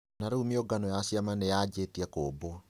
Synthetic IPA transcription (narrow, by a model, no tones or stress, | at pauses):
naɾuːmiɔɡanɔjasiamanejad͡ʒetiakoːbo